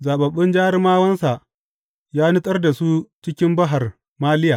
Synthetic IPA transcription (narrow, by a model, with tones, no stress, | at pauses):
zaː˨ɓɐ˨ɓːɪ˦nd͡ʒaː˦ɾɪ˦maː˦wɐ˦nsa˨ʔ | jaː˦nʊ˦tʼɐ˦rda˨su˦t͡ʃɪ˦kʲɪ˦mbɐ˦ɦa˨r | maː˦lɪ˦jaː˨